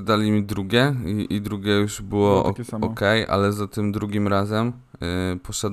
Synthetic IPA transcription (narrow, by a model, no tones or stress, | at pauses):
d̪alʲimʲid̪ɾuɡʲɛiʔid̪ɾuɡʲɛjuʐbɘwɔʔɔkɛjʔa̰lɛzat̪ɘmd̪ɾuɡʲimɾazɛm | pɔɕad̪